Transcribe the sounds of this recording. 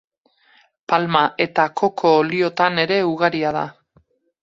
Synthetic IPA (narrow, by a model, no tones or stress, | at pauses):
palmaʔe̞t̪akʰo̞kʰo̞ːlio̞t̪ane̞ɾe̞uɣ̞aɾiað̞a̰